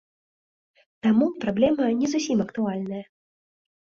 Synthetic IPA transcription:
t̪amupɾablʲɛmɐnʲɛzusʲimɐkt̪ualʲnɐjɐ

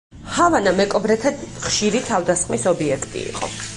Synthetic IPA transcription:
havanamɛkʼɔbɾɛt̪ʰaχʃiɾit̪ʰavd̪asχmisɔbiɛkʰt̪ʼḭːqʼɔ̰

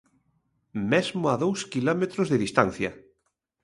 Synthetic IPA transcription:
mezmʊaðowskilɔmet̪ɾʊzðeðist̪anθjɐ

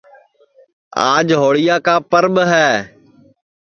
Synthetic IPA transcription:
a̰ːd͡ʒɦoːɽɪjaːkaːpəɾɓɦɛː

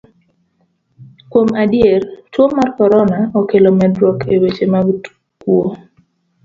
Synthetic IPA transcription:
kwomadjert͡ʃwomarkɔɾɔnaɔkelɔmɛdwɔkʰewet͡ʃemaɡ | kwo

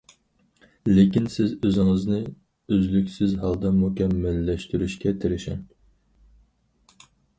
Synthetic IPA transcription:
lekʲinsɪzøzɪŋɪznɪ | øzlykʲsɪzɦɑlˠd̪ɑmukʲɛmːælːɛʃt̪yɾyʃkʲɛt̪ʰɪɾɪʃɛ̰n

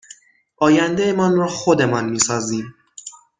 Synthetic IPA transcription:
ʔɒːjænd̪ejemɒːnrɒːxod̪e̞mɒnmiːsɒːziːm

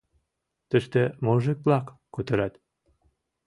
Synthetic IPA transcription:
t̪ə̆ʃt̪ĕmoʒek̚plɑkːot̪ə̆ɾɑt̪

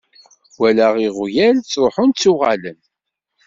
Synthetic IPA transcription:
wælæʁiʁʊjælt͡sːɾˤoħʊnt͡sːuʁalən

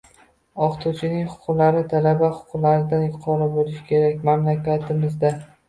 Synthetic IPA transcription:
ɒqt̪ʰut͡ʃʰɪnɪŋχʊ̥qʰʊlaɾɪt̪ʰalabaχʊ̥qʰʊqlaɾɪd̪anjʊqʰɒɾabolɪʃkʲʰe̞ɾakʲmamlakʲat̪ʰɪmɪzd̪a

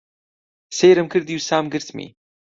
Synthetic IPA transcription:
sejɾɨmkʰɨɾd̪juːsaːmɡɨɾt̪mḭ

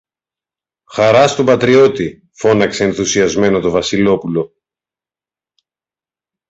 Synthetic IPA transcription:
xɐɾɐst̪obɐt̪ɾio̞t̪i | fo̞nɐkse̞ːnθusiɐzme̞no̞t̪o̞vɐsilo̞pulo̞

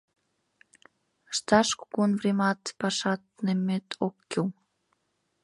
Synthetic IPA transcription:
əʃt̪ɑʃko̥konvremɑt̪pɑʃɑt̪̚nemːet̪ʰokːiw

